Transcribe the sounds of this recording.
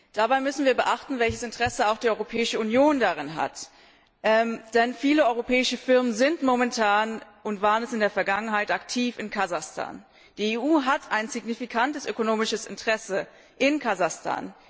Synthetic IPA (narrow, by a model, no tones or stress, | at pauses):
d̥abaɪmʏsn̩viːɐbəʔaχtn̩vɛlçəsɪntəʁɛsəaʊxd̥iːɔʏʁopʰɛːɪʃəunjoːndaʁɪnɦa̰t | ʔɛmd̥ɛnfiːləɔʏʁopʰɛːɪʃəfɪɐmənzɪntmomɛntʰaːnʔʊntv̥aːʁənɛsɪndeːɐfɛɐɡaŋənɦaɪtaktʰiːfɪnkʰazaχstʰa̰ːn | d̥iːeːʔuːɦatʰaɪnzɪɡnifikʰantəsʔøkonoːmɪʃəsɪ̰ntəʁɛsə | ʔɪnkʰazaχstʰa̰ːn